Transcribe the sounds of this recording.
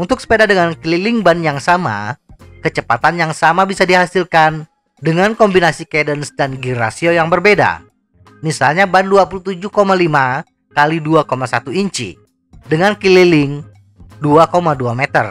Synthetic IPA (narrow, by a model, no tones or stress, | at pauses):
ʔunt̪ʊk̚sə̥pedadəŋankililɪŋbanjaŋsama̰kət͡ʃəpat̪anjaŋsamabisadiɦasilkan | dəŋankɔmbinasikedənsdanɡiɾa̰siojaŋbərbeda̰ | misalɲabanduap̬ulut̪ud͡ʒuhkomalima | kaliduakomasat̪uiɲt͡ʃḭ | dəŋankililɪŋ | duakomaduamet̪ər